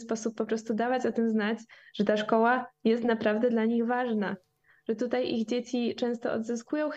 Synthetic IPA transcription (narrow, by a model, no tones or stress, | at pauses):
spɔsupːɔpɾɔst̪ud̪avat͡ɕɔt̪ɘmznat͡ɕʐ̥ɛt̪aʂkɔwajɛst̪napɾavd̪ɛd̪laɲiɣvaʐna | ʐ̥ɛt̪ut̪ajʔiɣd͡ʑet͡ɕit͡ʂɛ̃w̃st̪ɔɔ̰d̪zɘskujɔ̃w̃x